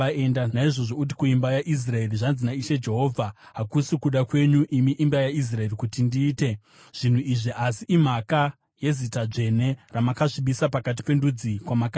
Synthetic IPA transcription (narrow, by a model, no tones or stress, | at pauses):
aendanaiʐo̞ʐo̞ut̬i̥kuimbajaʔis̬rae̞riʐanzinaiʃe̞d͡ʒe̞ɦo̞ːvʱaɦakusukuɗakwe̞ɲuʔimiʔimbajais̬rae̞rikutindiːte̞ | ʐ̥in̤uiʐiʔasiim̤aka | je̞zitad͡ʐe̞ne̞ramakaʐiɓisapakat̬i̥pe̞ndud͡zikwamaka